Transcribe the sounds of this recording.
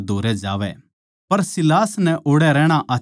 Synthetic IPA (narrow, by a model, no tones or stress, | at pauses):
d̪ʱoːɾɛd͡ʒa̰ːʋɛ | pɐɾsɪlaːsnɛʔoːɽɛɾɛːɽ̃aʔaː